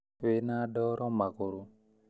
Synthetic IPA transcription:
wenadɔɾɔmakoɾo

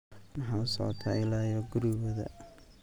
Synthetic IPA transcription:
mɑħɑːʊsɔ̰ʕɔ̰t̪ʰa̰ːɪlaːjɔɡʊɾɪwɐðɐ̰

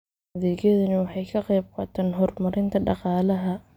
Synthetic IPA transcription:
ɐðɛːɡjɐðɐnɐwɑħɑjkʰɐqɛjb̚qɑ̰ːt̪ʰɛːnɦɔrmɐɾɪnt̪ʰɐɖɑ̰qɑːlɐɦɐ

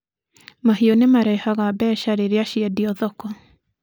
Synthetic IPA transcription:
maɦiɔnemaɾɛihaɣabɛːʃaɾeɾeaʃiɛdiɔðɔkɔ

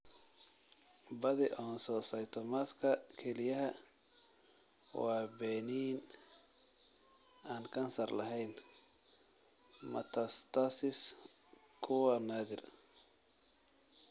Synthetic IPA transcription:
bɐðɪʔɔːnsɔːsɐjt̪ʰɔmaːskʰɐkʰɛlɪjɐɦɐ | wɑːbɛːniːn | aːnkʰɐnsɐrlɐ̰ɦɛjn | mɐ̰t̪ʰɐst̪ʰasɪs | kʰʊwɐnaːðɪr

